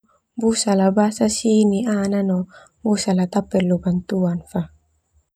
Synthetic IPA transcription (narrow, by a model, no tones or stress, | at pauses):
busalabasasiniananɔ | busalat̪apːɛlːubant̪uanfa